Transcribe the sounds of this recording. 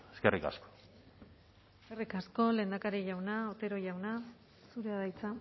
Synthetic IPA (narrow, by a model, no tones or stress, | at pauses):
eskerika̰sko̥ | eskerikasko̞le̞ːnd̪akaɾiʝawnaot̪e̞ɾo̞ʝawna | suɾeaðajt͡sa